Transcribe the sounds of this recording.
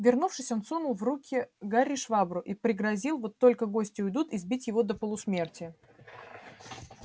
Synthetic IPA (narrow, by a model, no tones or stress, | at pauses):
vʲɪrnufʂɨsʲɐnt̪sunʊlˠvɾukʲɪɡaɾʲːɪʂvabɾʊʔipɾʲɪɡɾɐzʲilˠvo̞t̪ːo̞lʲkəɡo̞sʲtʲɪʊjd̪ut̪ɪzbʲitʲjɪvo̞d̪əpəlˠʊsmʲe̞rtʲɪjə